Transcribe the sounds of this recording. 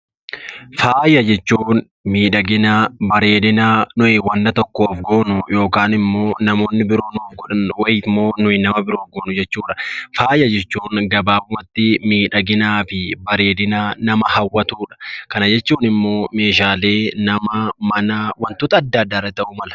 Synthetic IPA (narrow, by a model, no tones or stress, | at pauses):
faːjɐd͡ʒɛt͡ʃːuːn | miːᶑɐɡɪnabɐɾe̞ːd̪ɪnaːnʊʔɪwɐnːɐt̪ɔkːoːfɡoːnʊjo̞ːkaːnɪmːo̞ːnɐmo̞ːnːɪbɪɾoːnːfɡɔᶑɐnwɐjmːo̞ːnʊɪnːɐmɐbɪɾoːfɡoːnʊd͡ʒɛt͡ʃːuːᶑɐ̥faːjɐd͡ʒɛt͡ʃːuːŋɡɐbaːʊmɐt̪ːɪmiːᶑɐɡɪnaːfɪbɐɾe̞ːd̪ɪnaːnɐmɐhɐwːɐt̪uːᶑɐ̥kɐnɐd͡ʒɛt͡ʃːuːnɪmːo̞ːme̞ːʃaːle̞ːnɐmɐmɐnɐwɐnt̪ʊt̪ɐːd̪ːad̪ːaːrɐt̪ɐʔʊmɐlɐ̥